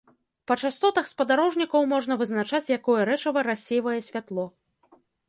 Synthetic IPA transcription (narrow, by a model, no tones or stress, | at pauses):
pɐt͡ʂast̪ɔt̪ɐxspɐd̪aɾɔʐnʲikɐwmɔʐnɐvɨznat͡ʂat͡sʲjakɔjɛɾɛt͡ʂɐvɐɾasʲejvɐjɛsʲvʲat̪lˠɔ